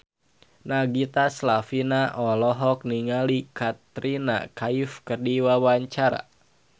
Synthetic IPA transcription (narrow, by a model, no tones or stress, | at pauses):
naɡit̪aslafinaʔɔlɔɦɔk̚niŋalikat̪ɾina̰kaifkərdiwawaɲt͡ʃaɾa̰